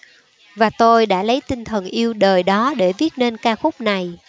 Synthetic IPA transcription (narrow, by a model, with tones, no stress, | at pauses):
vaː˨˩t̪o˧jɗa̰ː˧˥lə˨˦jt̪ï˧ŋt̪ʰə˨˩nʔi˧əwɗəː˨˩jɗɔ˨˦ɗe˧˩vi˦˥ət̚ne˧nkaː˧xʊ˦˥k͡p̚na˨˩j